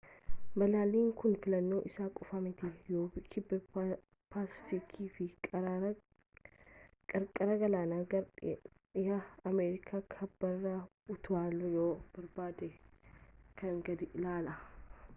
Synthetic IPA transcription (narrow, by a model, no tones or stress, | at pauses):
mɐlaːliːŋkʊnfɪlɐnːo̞ːʔɪsaːkʼʊfɐmɪt̪ɪjoːbɪkʰɪbːɐ | paːsɪ̥fikʰiːfɪ | kʼɐɾkʼɐɾɐɡɐlaːnaːɡɐ | ɪjɐɐmeːɾɪkʰaːkʰɐbːɐrːa | ʊt̪ʊaːljoːb̥ɐɾbaːd̪ɛ | kɐŋɡɐd̪ɪʔɪlaːlɐ